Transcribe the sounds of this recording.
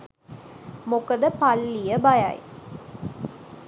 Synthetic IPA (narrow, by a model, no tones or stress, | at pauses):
mʊkɐd̪əpɐlːijɐbɐjɐ̰j